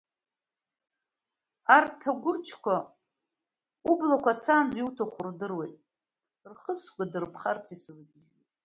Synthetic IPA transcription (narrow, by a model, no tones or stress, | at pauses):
artʰaɡʷʊt͡ʃʰkʷʰa | ublakʷat͡sʰaːnd͡ziutʰaχʷʊrdɨrwejtʼ | rχəsɡʷadɨrpʰχart͡sʰislɡʲʒitʼ